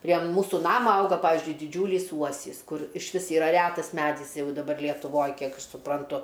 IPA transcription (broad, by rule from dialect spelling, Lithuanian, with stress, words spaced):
pʲrʲiɛ ˈmuːsuː ˈnɑːmɐ ˈɐʊɡɐ pɐˈʋʲɪzʲd͡ʒʲʊɪ dʲɪˈd͡ʒʲuːlʲiːs ˈuɔsʲiːs ˈkʊr ɪʃʲˈʋʲɪs iːˈrɐ ˈrʲætɐs ˈmʲædʲɪs ˈjɛʊ dɐˈbɐr lʲiɛtʊˈʋoːj ˈkʲiɛk ɐʃ sʊprɐnˈtʊ